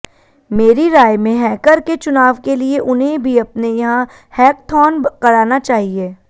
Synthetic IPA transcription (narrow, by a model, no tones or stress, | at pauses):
meːɾiɾaːjmẽɦɛːkəɾket͡ʃʊnaːʋkelieʔʊnɦẽbʱiɐpnẽjɐɦã | hɛːk̚t̪ʰɔːnkɐɽaːnat͡ʃaːɦieː